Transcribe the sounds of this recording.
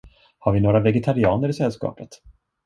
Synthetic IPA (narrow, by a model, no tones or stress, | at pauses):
haɾvɪnoːɾavɛɡɛt̪ʰaɾɪɑːnəɾɪsɛlːskɑ̰ːpət̪